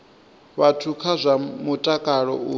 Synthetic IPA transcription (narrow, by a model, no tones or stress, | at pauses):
βatʰukʰazʷamutʼakʼaɺɔ̰u